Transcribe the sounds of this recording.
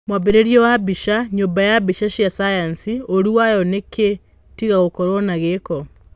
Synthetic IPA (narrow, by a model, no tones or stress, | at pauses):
mwaβeɾeɾjɔwaβiʃaɲoːmbajaβiʃaʃjasajansioɾuwajɔneke | tiɣaɣokɔɾonaɣekɔ